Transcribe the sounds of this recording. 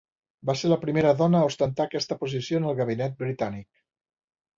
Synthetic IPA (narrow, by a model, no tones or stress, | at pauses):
baseɾləpɾimeɾəðɔnəːust̪ənt̪akɛst̪əpuzisionəlˠɣəβ̞inɛt̪̚bɾit̪anik̚